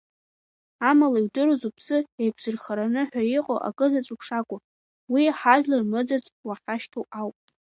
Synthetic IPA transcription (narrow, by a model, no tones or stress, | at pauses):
amalaiwdɨɾozupʰsɨejkʷʰzɨrχaɾanɨħᶣaiqʼo̰ʔa̰kʼɨzat͡sʷʼukʰʂakʷʼʊ | wiħaʒᶣlarmɨd͡zat͡sʼwaχʲaʃtʰoawpʼ